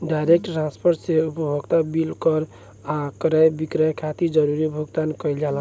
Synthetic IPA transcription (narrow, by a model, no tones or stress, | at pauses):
ɖajɾek̚ʈʈɾãnspʰoɾʈseupəbʱəɡt̪abilkɔɾ | akɾajbikɾəjkʰat̪id͡ʒəɾuɾibʱuɡt̪ankəjld͡ʒala